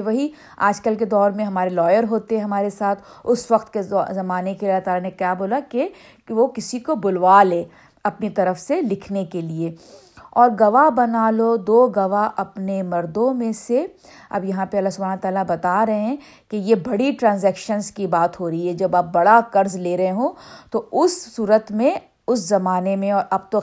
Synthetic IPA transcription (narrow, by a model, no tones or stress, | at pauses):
ʋɐɦi | a̰ːd͡ʒkəlked̪ɔːɾmẽɦɐmaːɾelɔːjəɾɦoːt̪eɦɛ̃ɦɐmaːɾesaːt̪ʰʊsʋɐqt̪kezɐmaːnekeɐlːat̪aːlanekjaːboːlake | ʋokɪsikobʊlʋaːleː | ɐpnit̪ɐɾəfselɪkʰnekelie | ɔːɾɡɐʋabɐnaːlod̪oːɡɐʋaʔɐpnemɐɾd̪õmẽse | ɐ̰bjɐɦãpeɐlːaɦsʊbʱaːnt̪aːlabɐt̪aɾɐɦeɛ̃ | kejebɐɽiʈɾãːnzɛːkʃənzkibaːt̪ɦoːɾɐɦiɦɛd͡ʒɐbaːp̚bɐɽakɐɾzleːɾɐɦẽɦõt̪oʊsːuːɾət̪mẽ | ʊszɐmaːnemẽɔːɾab̚t̪o